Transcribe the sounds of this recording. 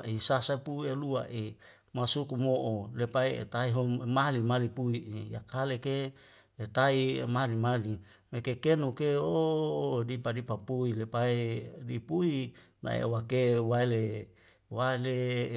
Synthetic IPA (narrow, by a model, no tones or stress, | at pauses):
ʔisasapuielua̰ʔe | masukumoʔolepaeḛt̪aiɦomalimalipuiʔeja̰kalekeː | t̪aiemalimali | mekekenukeo | dipadipapuilepaedipuina̰ḛwakewaele | wale